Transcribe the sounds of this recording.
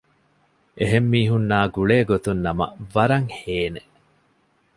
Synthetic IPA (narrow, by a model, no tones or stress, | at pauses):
ʔeɦemːiːɦunːaːɡuɭeːɡot̪unːɐmɐ̰ʋɐɾɐŋheːne